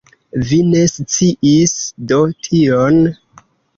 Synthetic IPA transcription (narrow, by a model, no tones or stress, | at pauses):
vine̞st͡siʔisdo̞tʰion